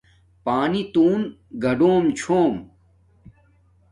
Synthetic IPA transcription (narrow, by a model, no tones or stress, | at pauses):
paːnit̪uːnɡʱɐɖoːmt͡ɕʰoːm